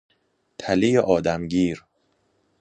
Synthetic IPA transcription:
t̪ʰælejeʔɒːd̪æmɟiːɾ

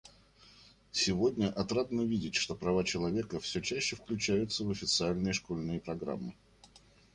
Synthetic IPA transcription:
sʲɪvo̞dʲnʲəʔɐt̪ɾat̪nəvʲidʲɪtʲʂt̪o̞pɾɐvat͡ɕɪlˠɐvʲe̞kəfsʲɵt͡ɕæɕːɪfklʲʉt͡ɕæjʊt̪səvəfʲɪt̪sɨalʲnɨjəʂkolʲnɨjəpɾɐɡɾa̰mːɨ

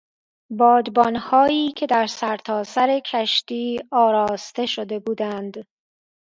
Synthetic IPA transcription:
bɒːd̪bɒnhɒːiːcʲʰe̞d̪æɾsæɾt̪ʰɒːsæɾe̞cʰæʃt̪iːɒːɾɒːst̪e̞ʃod̪e̞buːd̪ænd̪

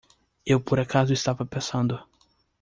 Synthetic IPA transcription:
ewpoɾakʰazʊɪst̪avɐpẽsɐ̃nd̪ʊ

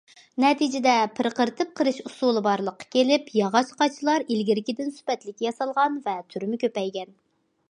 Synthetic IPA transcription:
nɛt̪ʰid͡ʒɪd̪ɛpʰɪɾqəɾt̪ʰɨp̚qʰəɾɨʃusulˠɨbɑɾlˠəqːɑ̥kʲʰelɪpjɑʁɑt͡ʃqʰɑt͡ʃʰilˠɑɾilɡʲiɾɪkʲid̪ɪnsy̥pɛt̪lɪkʲːjɑsɑlˠʁɑnvɛt̪ʰyɾmɪkʲʰøpɛjɡʲɛn

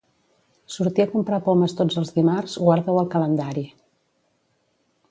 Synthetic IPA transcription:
suɾt̪iəkumpɾapoməst̪od͡zəlˠzðimarz̥ɣwaɾðɛwəlˠkələnd̪aɾi

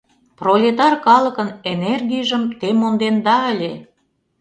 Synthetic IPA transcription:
prolʲet̪ɑrkɑlə̆kə̆nenerɡijʒə̆mt̪emond̪end̪ɑə̆lʲe

